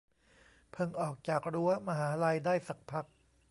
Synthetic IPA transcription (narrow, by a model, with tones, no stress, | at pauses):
pʰɤ˧ŋʔɔː˨˩k̚t͡ɕaː˨˩k̚ɾu˦˥ɐma˧ɦaː˩˦la˧jdaː˥˩jsa˨˩k̚pʰa˦˥k̚